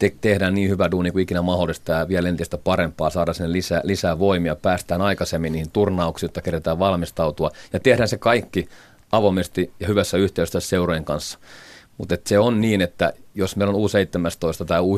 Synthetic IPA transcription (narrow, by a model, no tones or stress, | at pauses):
t̪et̪ehdæːnniːhyʋæduːnikuikinæmɑholːˑist̪ɑːʋiælent̪ist̪æpɑrempːˑɑːsɑːdɑsinːelisælisæːʋoimiɑpæːst̪æːnɑikɑsemːiniːhint̪urnɑuksiːjot̪ːɑkeret̪æːʋʋɑlmist̪ɑut̪uɑjɑt̪ehdæːnsekɑikːi | ɑʋomest̪ijɑhyʋæsːæyht̪eyst̪ːæsseurojeŋkɑnsːɑ̥mut̪et̪seonniːnet̪ːæ̰josmeilonuːseit̪ːemæst̪oist̪ɑt̪æːuː